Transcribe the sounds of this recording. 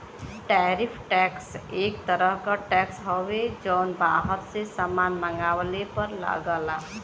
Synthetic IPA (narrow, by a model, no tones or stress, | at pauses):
ʈɛːɾɪpʰʈɛːkseːk̚t̪əɾəɦkaʈɛːksɦɔwed͡ʒɔːnbaːɦəɾsesamaːnməŋɡaːwlepəɾla̰ɡəla